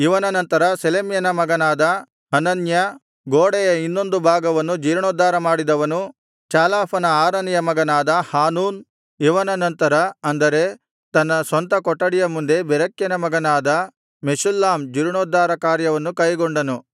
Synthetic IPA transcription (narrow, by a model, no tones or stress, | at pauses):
iʋɐnɐnɐnt̪ɐɾɐselemjɐnɐmɐɡɐnaːd̪ɐ | ɐnɐnjɐ | ɡoːɽɛjɐinːo̞nd̪ubʱaːɡɐʋɐnːud͡ʒiːɾɳoːd̪aːɾɐmaːɽid̪ɐʋɐnu | t͡ʃaːlaːpʰɐnɐaːɾɐnijɐmɐɡɐnaːd̪ɐhaːnuːn | iʋɐnɐnɐnt̪ɐɾɐɐnd̪ɐɾe̞ | t̪ɐnːɐsʋɐnt̪ɐkɔʈːɐɽijɐmund̪e̞bɛɾɐkjɐnɐmɐɡɐnaːd̪ɐ | mesulːaːmd͡ʒiːɾɳoːd̪ːaːɾɐkaːɾjɐʋɐnːukɐjɡoɳɖɐnu